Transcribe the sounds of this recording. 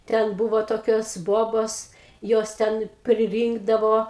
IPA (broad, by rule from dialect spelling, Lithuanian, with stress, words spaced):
ˈtʲɛn ˈbuːʋoː toːˈkʲoːs ˈboːboːs ˈjoːs ˈtʲɛn pʲrʲɪˈrʲiːŋɡdɐʋoː